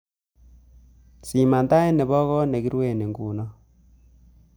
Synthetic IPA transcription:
si˨ma˨nda˦e˦ne˨βɔ˦ɣɔ˦ne˨ki˦ɾwe˦˨ne˨ŋɡu˨nɔ˦

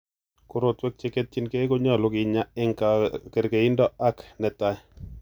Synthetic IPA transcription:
kʊ˦ɾo˨twɛ˦k̚t͡ʃe˦ke˦t̚t͡ʃi˦nke˦ko˦ɲɔ˦˨lo˦kɪ˨ɲa˦ɛ˦ŋka˨ke˨ɾke˨i˦ndɔ˦a˦knɛ˨ta˦j

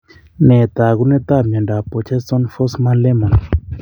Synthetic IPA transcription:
nɛ˨t̪a˨ɣu˦nɛ˦t̪a˦˨mjɔ˨nda˨pɔ˨t͡ʃʰɛ˦sɔ˦nfɔ˦sma˦nlɛ˦ma˨n

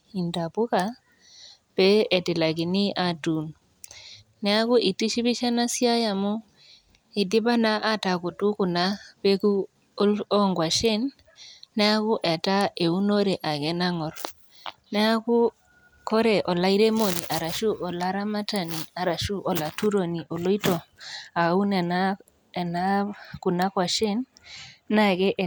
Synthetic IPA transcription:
i˨nda˨bu˦ka˨ | b̥ɛ˦e˨ti˨la˨ki˨ni˦ʔa˨tu˨n | nɛ˦a˦ku˦ʔi˨ti˦ʃi˦bi˦ʃa˦na˦si˦a˦ja˨mu˦ | i˨di˦ba˦na˦ʔa˦ta˨ku˨tu˦ku˨na˦be˦ku˦ | ɔ˦ŋɡwa˨ʃɛ˦nː | ɛ˦a˦ku˦ʔɛ˨ta˦e˨u˦no˦ɾe˨ʔa˨ɡɛ˦na˦ŋɔ˨ɾ | nɛ˦a˦ku˦ | kɔ˦ɾɛ˨ʔɔ˨la˦i˦ɾe˦mo˨ni˨ʔa˨ɾa˨ʃu˦ʔɔ˨la˦ɾa˦ma˦ta˨ni˨a˨ɾa˨ʃu˦ʔɔ˨la˨tu˦ɾo˨ni˨ʔo˨lo˦i˦to˨a˨u˦nɛ˨na˦ | ɛ˨na˦ku˨na˦kwa˨ʃe˦nː | a˦ɡɛ˦ʔɛ˨

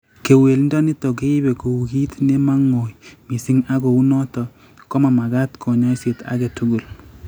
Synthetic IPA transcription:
ke˨we˨lndɔ˦ni˦to˨ke˦i˦be˨ko˨u˨ki˦tne˦ma˦ŋo˨jmi˨si˦ŋa˦ko˨u˦nɔ˦tɔ˨ | ko˦ma˨ma˨ɡa˦tkʰo˨ɲɔ˦se˨ta̰˦kɛ˨tu˨˦ɡu˨l

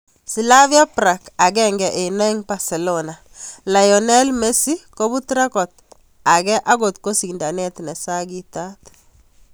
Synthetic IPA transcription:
si˨la˦vja˦pɾa˨ka˨ɡɛŋɡɛ˨ʔe˨nɛ˦ŋba˨se˨lona˨ | la˨jɔ˨nɛ˦lme˦si˦ko˦bu˦tɾa˦kɔ˨t̚ | a˨ɡɛ˦ʔa˦ɡo˨tko˦si˨nda˨nɛ˦tnɛ˨sa˦ɡi˦ta˦t

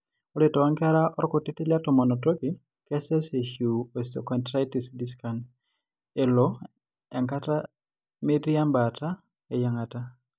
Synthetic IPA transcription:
o˦le˨tɔ˨wa˦ŋka˦ɾa˦ʔɔ˦ɾko˨ti˦ti˦lja˦tɔ˨mɔ˨nɔ˨to˦ki˨ | kɛ˦sɛ˦se˨hju˨o˨sɔ˨kɔ˨ntɾa˦ti˨sdi˦ska˨n | e˨lɔ˦ | ɛ˨ŋka˦ta˦ | me˦ɾi˦a˦mba˨ta˦ | e˨ja˦ŋa˨ta˦

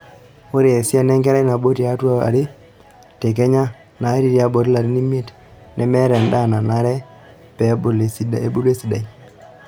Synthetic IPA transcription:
o˦ɾi˨e˨si˦a˦nɛ˦ŋkɛ˦ɾa˦na˨bo˦ti˨a˨˦tu˦a˦a̰˨ɾɪ˦ | tɛ˨k̬ɛ˦ɲa˦ | na˨˦ɾi˨˦ɾi˦a˨˦bo˨ɾla˨ɾi˦ni˦mi˦e˦t | nʔɛ˨mɛ˦ɾɛ˨nda˦˨na˨na˨˦ɾɛ˦ | pɛ˨˦bo˨le˨si˦da˨e˦bu˦le˦si˦da˨i˨

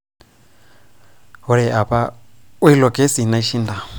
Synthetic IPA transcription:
ɦɔ˦ɺɛ˨ʔa˨pa˦ | u˦i˦lɔ˨ke˦si˨na˦i˦ʃi˦nda˨

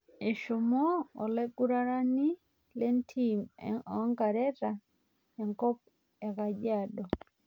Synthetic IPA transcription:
e˨ʃo˨mɔ̰ː˦˨lɛ˦ɡu˦ɾa˦ɾa˦ni˦ | le˦ntʰi˦mɛ̰˨˦ŋɡa˨ɾɛ˦ɾa˨ | ja˨ŋkɔ˦p̚ | ɛ˨ka˨d͡ʒa˨dɔ˨

